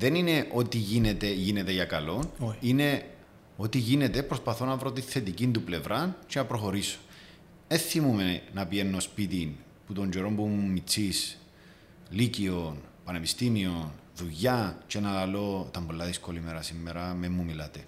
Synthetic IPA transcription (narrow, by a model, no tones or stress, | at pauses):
ðe̞nine̞ʔo̞t̪iʝinet̪e̞ʝinet̪e̞ʝɐkɐlo̞nine̞ | o̞t̪iʝine̞t̪e̞pɾospɐθo̞nɐvɾo̞t̪iθe̞t̪icind̪uple̞vɾʔɐnt͡ʃenɐpɾo̞xo̞ɾiso̥ | eθimumenɐpienːo̞spit̪in | put̪o̞ɲd͡ʒoɾo̞mbumumːit͡sːis | licionpɐne̞pist̪imio̞nðuʝɐt͡ʃe̞nɐlɐlo̞t̪ɐmbo̞lːɐðisko̞limeɾɐsimːeɾɐmemːumilɐt̪e